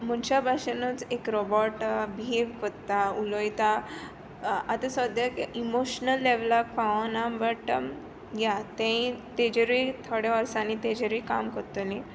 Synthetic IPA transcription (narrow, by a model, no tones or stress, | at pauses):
m̤uɳt͡ɕabʱaɕənət͡sekɾɔbɔʈbʱieʋkəɾt̪aulɔjt̪a | at̪əsəd̪jakimoɕnəlːeʋlakpaʋə̃nambəʈəm | ɡjat̪ẽĩt̪ed͡ʑəɾit̪ʰɔɽeəɾsanit̪ed͡ʑəɾikamkəɾt̪onĩ